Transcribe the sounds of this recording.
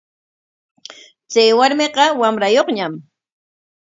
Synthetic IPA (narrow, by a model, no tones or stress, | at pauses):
t͡sajwaɾmeqɑwamɾajoχɲam